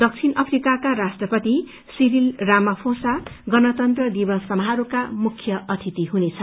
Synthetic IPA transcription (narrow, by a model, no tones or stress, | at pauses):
d̪ʌk̚t͡sʰinʔʌpʰrikakaɾasʈrʌpʌt̪i | siɾilramʌpʰosaɡʌnʌt̪ʌnt̪rʌd̪ibʌsʌmɦaɾokamukʰːjʌʔʌt̪ʰit̪iɦunet͡sʰʌ